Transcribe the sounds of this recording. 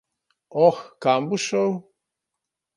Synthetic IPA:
ɔxkambuʃow

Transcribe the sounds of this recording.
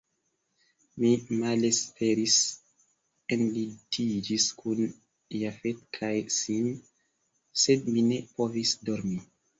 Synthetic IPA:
mimalespʰeɾis | enlidid͡ʒiskʰun | jafet̚kʰajsin | sedmine̞povisdoɾmi

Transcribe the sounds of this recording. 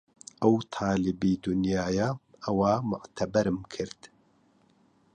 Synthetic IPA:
ʔɐwt̪ʰɑːlɪbiːd̪ʊnjaːjaʔɐwaːmʊʔt̪ʰɐbɐɾɨmkʰɨɾt̪

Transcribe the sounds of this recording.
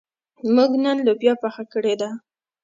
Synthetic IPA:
muɡnənlobjɑpaxakəɽed̪a

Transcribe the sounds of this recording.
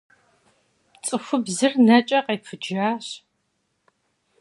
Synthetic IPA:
t͡sʼɨxʷʊbzɨrnɐt͡ʃʼɐqejpʰɨd͡ʒaːɕ

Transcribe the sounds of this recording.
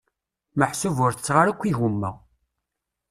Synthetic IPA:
məħsuvʊɾθə̥t͡sːʁaɾækʷːiʝumːæ

